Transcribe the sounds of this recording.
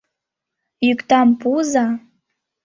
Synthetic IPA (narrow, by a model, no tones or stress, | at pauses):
jykt̪ɑmpuzɑ